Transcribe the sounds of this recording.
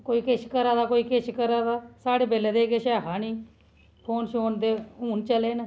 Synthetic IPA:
koːiːkɪʃkəɾaːd̪aːkoːiːkɪʃkəɾaːd̪aːsaːɽeːbeːleːd̪eːkeʃaːkʰaːniː | pʰoːnʃoːnd̪eːuːnt͡ʃəleːn

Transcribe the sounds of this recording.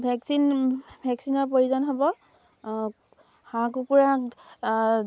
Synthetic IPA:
bʱɛksinbʱɛksinɔɹpoɹuzɔnɦɔbɔ | hãkupuɹaãk

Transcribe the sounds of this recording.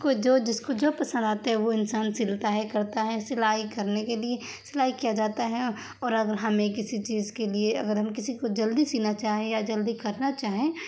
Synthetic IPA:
kod͡ʒoːd͡ʒɪskod͡ʒoːpɐsə̃nd̪aːt̪aɦɛ̃ʋoɪnsaːnsɪlt̪aɦɛkɐɾt̪aɦɛsɪlaːikɐɾnekelie | sɪlaːikijad͡ʒaːt̪aɦɛ | ɔːɾɐɡəɾɦɐmẽkɪsit͡ʃiːzkelieɐ̰ɡəɾɦɐmkɪsikod͡ʒɐld̪isiːnat͡ʃaːɦẽjad͡ʒɐld̪ikɐɾnat͡ʃaːɦẽː

